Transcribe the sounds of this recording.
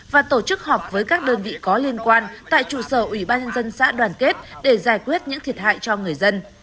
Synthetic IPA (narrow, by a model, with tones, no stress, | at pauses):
vaː˨˩t̪o˧˩t͡ɕɨ˦˥k̚hɔ˨˩p̚vəː˨˦jkaː˦˥k̚ɗəː˧nvḭ˧˨kɔ˨˦li˧ənkwaː˧nt̪a̰ː˧˨jt͡ɕṵ˧˩səː˧˩ʔwi˧˩ɓaː˧nɲə˧nzə˧nsa̰ː˧˥ɗwaː˨˩nke˦˥t̚ɗe˧˩zaː˧˩jkwi˦˥ət̚ɲɨ̰˧˥ŋt̪ʰi˨˩ət̚ha̰ː˧˨jt͡ɕɔ˧ŋɨ˨˩əjzə˧n